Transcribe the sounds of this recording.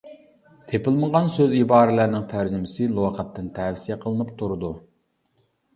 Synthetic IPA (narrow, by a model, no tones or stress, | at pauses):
t̪ʰepɪlˠməʁɑnsøzibɑːɾɪlæɾnɪŋt̪ʰæɾd͡ʒɪmɪsɪlˠoqʰɑt̪ːɨnt̪ʰæwsijɛqʰəlˠɨnɨpt̪ʰuɾɨd̪u